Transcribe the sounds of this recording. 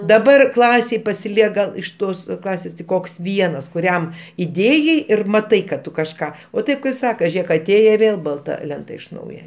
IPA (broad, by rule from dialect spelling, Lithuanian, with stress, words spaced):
dɐˈbɐr ˈklˠɑːsʲeːj pɐsʲɪˈlʲiɛk ɡɐlˠ ɪʃ ˈtoːs ˈklˠɑːsʲeːs tʲɪk ˈkoːks ˈʋʲiɛnɐs kʊˈrʲɛm ɪˈdʲeːjɛɪ ɪr mɐˈtɐɪ kɐt ˈtʊ kɐʃˈkɑː oː ˈtʲeːp kɐɪp ˈsɑːkɐ ˈʒʲeːk ɐˈtʲeːjɛ ɪ ˈʋʲeːlˠ bɐlˠˈtɐ ˈlʲɛntɐ ɪʃ ˈnɐʊjɛ